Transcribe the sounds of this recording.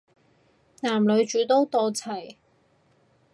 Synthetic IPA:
naː˨˩mlɵ˨˧ɥt͡ʃyː˨˥t̪o˥wt̪ɔː˧t͡sʰɐ˨˩j

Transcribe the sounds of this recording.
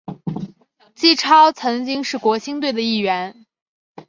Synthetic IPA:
t͡ɕi˥˩ʈ͡ʂʰɑ˥ʊt͡sʰɤ˧˥ŋt͡ɕi˥ŋʂɻ̩˥˩kwɔ˧˥ɕi˥ŋt̪̬we˥˩ɪd̪ə˩i˥˩ɥɛ˧˥n

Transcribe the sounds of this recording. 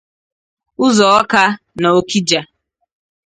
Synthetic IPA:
ʊ˦zɔ˨ɔ˦ka˦ | na˨o˦ki˦d͡ʒa˨

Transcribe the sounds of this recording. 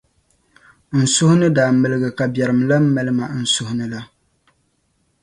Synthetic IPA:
n̩˨sʊ˦hʊ˦nɨ˦daː˨mɨ˨lɨ˦ɡɨ˨ka˨bjɛ˨ɾɨ˨m˨la˦m̩˦mɛ˦lɨ˦ma˨n̩˦˨sʊ˦hʊ˦nɨ˦la˦

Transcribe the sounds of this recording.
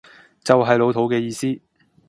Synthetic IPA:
t͡sɐ˨wɦɐ˨jlo˨˧wt̪ʰo˨˥wkɛː˧jiː˧siː˥

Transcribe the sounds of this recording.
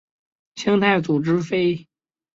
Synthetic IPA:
ɕɑ˥ŋt̪ʰa˥˩ɪt͡su˨˩ʈ͡ʂɻ̩˥fe˥ɪ

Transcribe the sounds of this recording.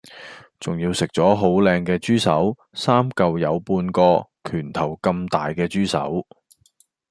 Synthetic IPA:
t͡sʊ˨ŋjiː˧wsɪ˨k̚t͡sɔː˨˥ɦo˨˥wlɛː˧ŋkɛː˧t͡ʃyː˥sɐ˨˥w | saː˥mkɐ˧wjɐ˨˧wpuː˧nkɔː˧kʰyː˨˩nt̪ʰɐ˨˩wkɐ˧mt̪aː˨jkɛː˧t͡ʃyː˥sɐ̰˨˥w

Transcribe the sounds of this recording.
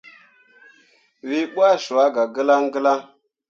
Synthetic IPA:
wi˦ɓʷa˦ʃu˨a˦ɡa˨ɡə˦la˦ŋɡə˦la˦ŋ

